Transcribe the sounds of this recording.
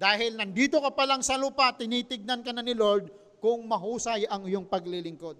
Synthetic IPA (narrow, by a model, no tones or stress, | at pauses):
d̪̥aːɦɪlnɐnd̪iːt̪okɐpɐlaŋsɐluːpat̪ɪniːt̪ɪɡ̚nɐnkɐnɐnɪloɾd̪̚ | kʊŋmɐɦuːsɐjɐŋɪjoŋpɐɡlilɪŋko̞d̪̚